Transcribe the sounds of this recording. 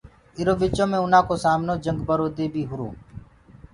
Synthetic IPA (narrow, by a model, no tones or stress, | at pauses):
ɪɾoːbɪt͡ʃõːmẽːʊnãːkoːsaːmnoːd͡ʒəŋɡbəɾoːd̪eːbʱiːɦʊɾṵː